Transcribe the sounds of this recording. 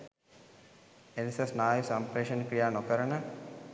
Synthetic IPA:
enisesnaːjusɐmpɾeːʃənkɾijaːnokəɾənə

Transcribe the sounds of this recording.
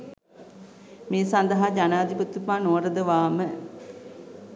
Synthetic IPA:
meːsand̪əɦad͡ʒanaːd̪iput̪ːupaːnoəɾəd̪əʋaːmə

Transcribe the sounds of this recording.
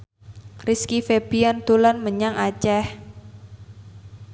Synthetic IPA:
riskifeb̥iant̪ulanməɲaŋʔat͡ʃɛh

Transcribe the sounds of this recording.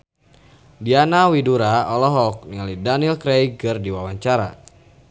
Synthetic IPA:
dianawiduɾaɔlɔɦɔk̚niŋalidanilkɾejkɨrdiwawaɲt͡ʃaɾa̰

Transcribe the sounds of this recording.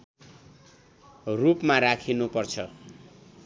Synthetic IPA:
rupmarakʰinupʌrt͡sʰʌ

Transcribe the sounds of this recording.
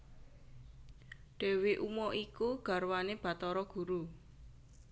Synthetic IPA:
ɖ̪̥e̤weʔumɔʔikuɡ̥ä̤rwaneb̥a̤t̪ɔɾɔɡ̥ṳɾu

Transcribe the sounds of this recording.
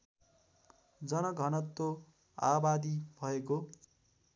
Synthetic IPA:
d͡zʌnʌɡʱʌnʌt̪ːo | a̰bad̪ibʱʌeko

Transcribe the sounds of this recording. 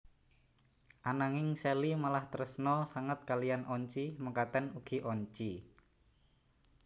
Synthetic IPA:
ʔanaŋɪŋselimalaht̪əɾəsnɔsaŋət̪̚kalianɔɲt͡ʃiməkat̪ɛnuɡ̥i̤ʔɔɲt͡ʃi

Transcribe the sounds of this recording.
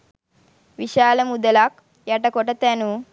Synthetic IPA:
ʋiʃaːlɐmud̪ɐlaːk̚ | jɐʈɐkɔʈɐt̪ɐnu

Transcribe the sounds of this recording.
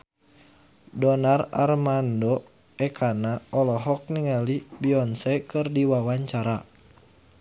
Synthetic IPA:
dɔnara̰rmandɔ | ɛkʰanaɔlɔɦɔk̚niŋalibiɔnsɛkɨrdiwawaɲt͡ʃaɾa

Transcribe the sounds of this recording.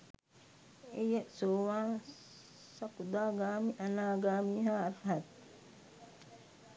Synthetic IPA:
ejəsoːʋaːn | sakud̪aːɡaːmiʔanaːɡaːmiːɦaːt̪ɦat̪

